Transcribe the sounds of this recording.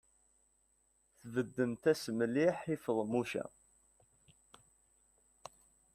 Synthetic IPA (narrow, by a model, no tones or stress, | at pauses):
θvəd̪ːənt̪æsmliħifəðˤmuʃæ̰